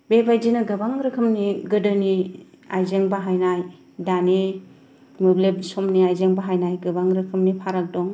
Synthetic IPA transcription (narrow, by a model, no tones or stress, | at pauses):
bebajd͡ʒinɯɡɯbaŋɾɯkʰɯmniɡɯdɯni | a̰jzeŋbaɦajnaj | dani | mɯblebsɔmniajzeŋbaɦajnajɡɯbaŋɾɯkʰɯmnipʰaɾak̚dɔŋ